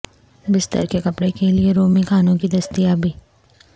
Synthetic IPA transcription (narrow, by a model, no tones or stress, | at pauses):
bɪst̪ə̰ɾkekɐpɽekelieɾoːmikaːnõkid̪ɐst̪ijabʱiː